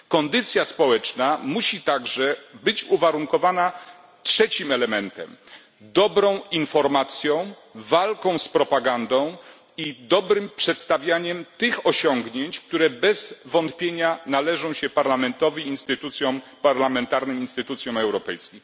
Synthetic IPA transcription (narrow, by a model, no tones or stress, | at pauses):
kɔnd̪ɘt̪sʲjaspɔwɛt͡ʂnamuɕit̪aɡʐɛbɘt͡ɕuvaɾuŋkɔvana | tʂɛt͡ɕimɛlɛmɛnt̪ɛ̰m | d̪ɔbɾɔ̃w̃infɔɾmat̪sʲjɔ̃w̃ | valkɔ̃w̃spɾɔpaɡand̪ɔ̃w̃ | id̪ɔbɾɘmpʂɛt̪st̪avʲjaɲɛmt̪ɘxɔɕɔŋɡɲeɲt͡ɕk̚t̪uɾɛbɛz̥vɔnt̪̚pʲjeɲanalɛʐɔ̃w̃ɕɛpaɾlamɛnt̪ɔvʲiinst̪ɘt̪ut̪sʲjɔ̃ | paɾlamɛnt̪aɾnɨminst̪ɘt̪ut̪sjɔ̃w̃ɛwɾɔpɛjskʲim